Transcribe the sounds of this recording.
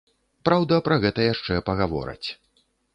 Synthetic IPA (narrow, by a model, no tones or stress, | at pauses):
pɾawd̪ɐpɾɐɣɛt̪ɐjaʂt͡ʂɛpɐɣavɔ̰ɾɐ̰t͡sʲ